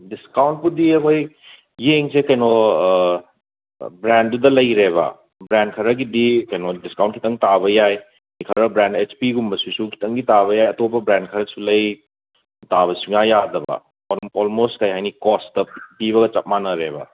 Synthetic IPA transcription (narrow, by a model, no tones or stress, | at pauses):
diskawnt̚pudiɐkʰojː | eŋsekɐjno | bɾɛndudɐlɐjɾeβɐ̰ | bɾɛn̚kʰɐɾɐɡidikɐjnodiskawntkʰitɐŋtaβɐjaj | nikʰɐɾɐbɾɛndet͡ʃpiɡumbɐsusukʰi̥tʰɐŋɡitaβɐjajɐtopɐbɾɛndkʰɐɾɐsulɐj | taβɐsuŋjajadɐbɐ̰ | ɔlɔlmostkɐjɦajnikɔstɐpiβɐɡɐt͡ʃɐp̚manɐɾeβɐ̰